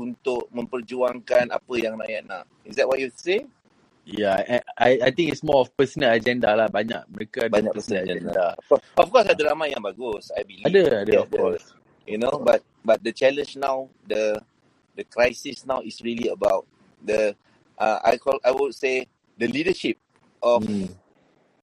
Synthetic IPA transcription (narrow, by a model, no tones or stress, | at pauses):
unt̪ʊʔ̚mə̃mpərd͡ʒuaŋkana̰pəjãŋra̰jaʔ̚na̰ʔ | isdɛt̚wɔt̚jutu̥se | jaʔaajajt̪ĩŋitsmɔɔfpəsənəlad͡ʒɛndalahbaɲa̰k̚məɾekaadbaɲakpəsəəad͡ʒɛɛnddaɔɔfkɔsadəlamajãŋbaɡusajbiladəadəɔfkɔs | junobat̚bat̚dət͡ʃɛlə̃nd͡ʒnaw | də | dəkɹajsisnawisɹiliəbawt̚ | də | ʔaʔa̰jkɔlajwutse | dəlidəʃip̚ | ʔɔf